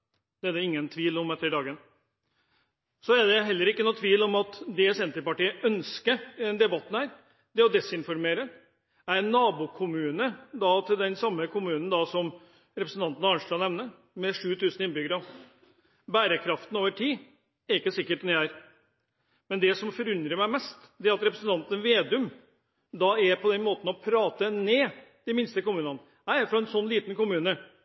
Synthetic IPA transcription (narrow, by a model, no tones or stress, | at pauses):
d̪̥ɛæd̪ɛɪŋːənt̪ʰʋiːlɔmɛt̪ːəɾɪd̪ɑːɡən | sɔæd̪ɛɦɛlːəɾɪkːənuːt̪ʰʋiːlɔmɑt̪d̪ɛsɛnt̪ɾəɾpɑʈiːəʔœnskəɛnd̪ɛbɑt̪ːn̩hæːɾ | d̪ɛɔd̪ɛsɪnfɔɾmeːɾə | æɾɛnːɑːbuːkʰʊmʉːnəd̪ɑt̪ʰɪld̪ɛnsɑmːəkʰʊmʉːnn̩d̪ɑsɔm | ɾɛpɾəsn̩t̪ɑnt̪ənɑɑɳʂlɑnɛʋnə | mɛʂʉːt̪ʰʉːsn̩ɪnbʏɡəɾɑ | bæːɾəkʰɾɑft̪n̩oːʋəʈʰiː | æɾɪkːəsɪkːəʈɛnjææɾ | mɛnd̪ɛsɔmfɔɾʉnd̪ɾəmæɪmɛst̪d̪ɛæɾɑt̪ɾɛpɾəsən̩t̪ɑnt̪ənʋeːd̪ʉm | d̪ɑæɾpʰɔd̪ɛnmoːt̪n̩ɔpʰɾɑːt̪əneːd̪̥ɛmɪnst̪əkʊmʉːnɑnə | hæɪæɾfɾɑɛnsɔnːliːt̪nkʊmʉːnə